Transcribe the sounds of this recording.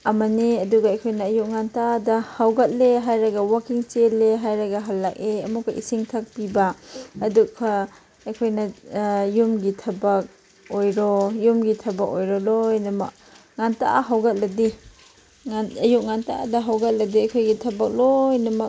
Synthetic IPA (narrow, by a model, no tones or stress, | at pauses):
ɐmɐniɐduɡaɐjkʰojnɐːjuk̚ŋantadɐhawɡɐt̚leɦajɾɐɡɐwakiŋt͡ʃelːeɦajɾɐɡaɦalːak̚eɐmukʰaʔḭsiŋtʰak̚pibaːdukʰɐː | kʰojnɐjumɡitʰɐbɐk̚ | ojɾɔjumɡitʰɐbɐk̚ojɾɔlojnɐmɐk̚ | ŋantaʔa̰ɦawɡɐt̚lɐdi | aɐjuk̚ŋanta̰dɐɦawɡɐt̚lɐdiɐjkʰojɡitʰɐbɐk̚lojnɐmɐk